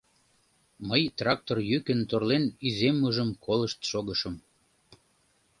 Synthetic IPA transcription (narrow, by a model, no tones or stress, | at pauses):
məjt̪rɑk̚t̪orjykənt̪orlenyzemːuʒəmkʰoləʃt̪ʃoɣəʃəm